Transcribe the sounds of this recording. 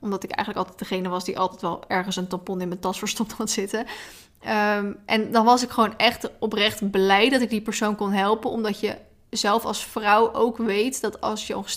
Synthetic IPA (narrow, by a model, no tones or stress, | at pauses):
ɔmdɑtɪkɛ̰jxχənləkɑlˠtɛjtd̥əχejnəʋɑsdiʔɑ̰lˠtɛjtʋɛlˠɛɹχənsəntɑmpɔnɪnməntɑsfəɹstɔptχatsɪtə | ʔɛndɑnʋɑsɪkχʋownɛχtɔprɛχtblɛjdɑtɪɡ̚dipəɹsownkɔnɦɛlˠpənɔmdɑtjə | zɛlˠfɑ̰lˠsfrɑwʔowkʋejtdɑtɑ̰lˠsjəɔ̰̃χs